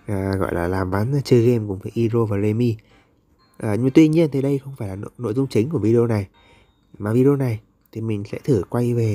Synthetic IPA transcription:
ʔəː˨˩ɣɔ̰˧˨jlaː˨˩laː˨˩mva˨˦n˧t͡ɕɨ˧ɣe˧mkʊ̰˧˩˨ŋ͡mfa˨˦jʔi˧zo˧vaː˨˩ze˧mi˧ | ʔəː˨˩ɲɨ˧m˧t̪wi˧ɲi˧ənt̪ʰi˨˩ɗə˧jxə˧wŋ͡mfaː˧˩jlaː˨˩n̰˧˨no̰˧˨jzʊ˧ŋ͡mt͡ɕï˨˦ŋ̟ku˧˩əvi˧i˧o˧na˨˩j | maː˨˩vi˧ɗi˧o˧na˨˩j | t̪ʰi˨˩mï˨˩ŋ̟sɛ̰˧˥t̪ʰɨ˧˩kwa˧jve˨˩

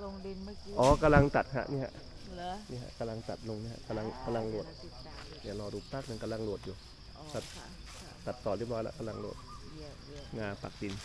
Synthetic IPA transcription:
ʔɔː˨˧˦ka˧la˧ŋt̪a˨˩t̪̚ha̰˧˥ʔnḭ˧˩ha̰˧ʔ | niː˧ɦa̰˧ʔka˧la˧ŋt̪a˨˩t̪̚lo˧ŋni˧˥˨ha̰˧˨ʔka˧la˧ŋka˧la˧ŋlu˨˩ət̪̚ | ni˧˩˨lɔː˧duː˧˩p̚paː˧˥˩k̚ne˧nka˧la˧ŋlu˨˩ət̪̚juː˨˩ | t̪a˨˧˩t̪̚ | t̪a˨˩t̪̚ːɔː˨˩lp̚lɔː˧jla̰˧ʔka˧la˧ŋlu˨˩ət̪̚ | ŋaː˧pa̰˨˩k̚di˧n

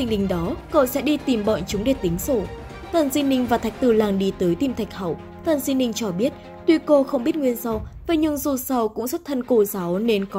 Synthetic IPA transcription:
ï˧ŋɗï˨˩ŋ̟ɗɔ˨˦ko̰˧˨sɛ̰˧˥ɗi˧t̪i˨˩mɓə̰ː˧˨nt͡ɕʊ˨˦ŋ͡mɗe˨˩t̪ï˨˦ŋ̟so˧˩ | t̪ə˨˩nzi˧nï˧ŋ̟vaː˨˩t̪ʰa˨˩jk̚t̪ɨ˧˩laː˨˩ŋɗi˧˩t̪əː˨˦jt̪i˧mt̪ʰa˨˩jk̟̚hə̰˧˨w | t̪ə˨˩nzi˧nï˧ŋ̟t͡ɕɔ˧ɓi˦˥ət̚ | t̪wi˧ko˧xə˧wŋ͡mɓi˦˥ət̚ŋwi˧ənza˧wva˨˩ɲɨ˧ŋzu˨˩sa˧˩wkʊ̰˧˥ŋ͡mswə˦˥t̚t̪ʰə˧nko˧˩za˨˦wne˧nkɔ˨˦

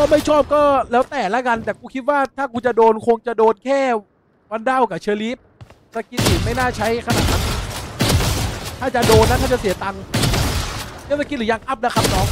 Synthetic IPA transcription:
kɔː˥˩ma˥˩jt͡ɕʰɔː˥˩p̚kɔː˥˩lɛː˦˥wt̪ɛː˨˩la˦˥˩ka˧nt̪ɛː˨˩kʰuː˧˩kʰi˦˥t̪̚waː˥˩t̪ʰaː˥˩kʰuː˧nt͡ɕa˨doː˧nkʰo˧ŋt͡ɕa˨˩doː˧nkʰɛː˥˩ | wa˧nda˥˩wka˨˩t͡ɕʰɤː˧liː˦˥p̚ | sa˧ki˧˦˥t̪̚siː˨˩ma˥˩jnaː˥˩t͡ɕʰa˦˥jkʰa˧na̰˧˩ka˧n˧˩ | t̪ʰaː˥˩t͡ɕa˨˩doː˧nːa˧˦˥t̪ʰa˥˩t͡ɕa˨˩si˩˦t̪a˧ŋ˧ | i˥˦˨sa˧ki˧˦t̪̚lɯː˨˩˦ja˧ŋʔa˦˥˩p̚na˦˥kʰa˦˥˩p̚nɔː˨˦˥ŋ̚

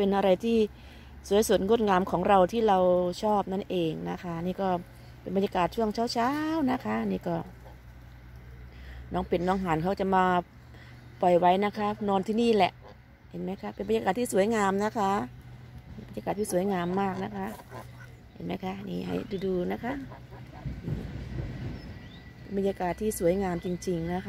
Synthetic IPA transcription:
pe˧nʔa˧ɾa˧jt̪ʰiː˥˩ | su˨˩˦jsu˨˩t̪̚ŋo˧˥˩t̪̚ŋaː˧mkʰɔː˩˦ŋɾa˧wt̪ʰiː˥˩ɾa˧wt͡ɕʰɔː˥˩p̚na˥˩nʔeː˧ŋna˦˥kʰa˦˥niː˥˩kɔː˥˩ | pe˧nba˧nja˧kaː˨˩t̪̚t͡ɕʰu˥˩əŋt͡ɕʰaː˧˩wt͡ɕʰaː˦˥wna˦˥kʰa˦˥ʔniː˧˥˩kɔː˥˩ | nɔː˦˥˩ŋpe˨˩nːɔː˧˥˩ŋɦaː˨˦nkʰa˧˥˩t͡ɕa˨˩maː˧ | pɔ˨˩jwa˦˥jna˦˥kʰa˦˥nɔː˧nt̪ʰiː˧˥˩niː˥˩lɛ̰˨˩ʔ | he˨˧nma˦˥˩jkʰa˦˥pe˨nba˧nɲa˧aː˨˩t̪ʰːiː˧˩su˨˩˦jŋaː˧mna˦˥kʰa˦˥˧ | bnɲa˧kaː˨˩t̪ːʰiː˥˩su˩˦jŋaː˧mːaː˥˩k̚na˦˥kʰa˦˥ʔ | hḛ˨˧˦nma˦˥˩jkʰa˦˥ʔnḭː˧˩ɦa̰˨˩jduː˧duː˧na˦˥kʰa˦˥ʔ | ʔɯː˧˩ | pe˨˦nba˧nɲaː˧kaː˨˩t̪ʰːiː˥˩su˨˦əjŋaː˧mt͡ɕi˧ŋt͡ɕi˧ŋna˦˧˥kʰa˧

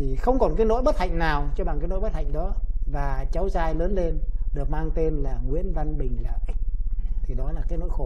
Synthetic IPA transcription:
t̪ʰi˨˩xə˧wŋ͡mkɔ˨˩nkaː˨˦jno̰˧˥jɓə˦˥t̚ha̰˧˨jŋ̟naː˨˩wt͡ɕɔ˧ɓa˨˩ŋkaː˨˦jno̰˧˥jɓə˦˥t̚ha̰˧˨jŋ̟ɗɔ˨˦vaː˨˩t͡ɕa˨˦wzaː˧jləː˨˦nle˧nɗɨ˨˩ək̚maː˧ŋt̪e˧nlaː˨˩ŋwḭ˧˥ənva˧nɓï˨˩ŋ̟lə̰ː˧˨ʔ | t̪ʰi˨˩ɗɔ˨˦laː˨˩kaː˨˦jno̰˧˥˦jxo˧˩

